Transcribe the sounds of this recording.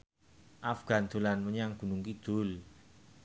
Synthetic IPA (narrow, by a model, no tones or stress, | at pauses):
ʔafɡ̥a̤nd̪̥o̤lanməɲaŋɡ̥ṳnuŋkid̪̥o̤l